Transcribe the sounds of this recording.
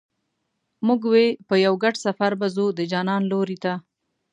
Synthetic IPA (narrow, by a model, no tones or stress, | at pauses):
muɡwepəjawɡaɖsafaɾbazud̪əd͡ʒɑnɑnloɾit̪a